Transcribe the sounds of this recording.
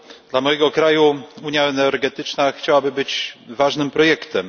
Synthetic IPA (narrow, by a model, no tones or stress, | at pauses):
d̪̥lamɔjɛɡɔkɾajuuɲjaɛnɛɾɡɛt̪ɘt͡ʂnaxt͡ɕawabɘbɘd͡ʑvaʐnɘmpɾɔjɛkt̪ɛm